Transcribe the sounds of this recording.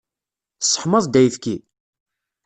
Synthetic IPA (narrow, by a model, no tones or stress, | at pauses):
sːə̥ħməðˤd̪æjθki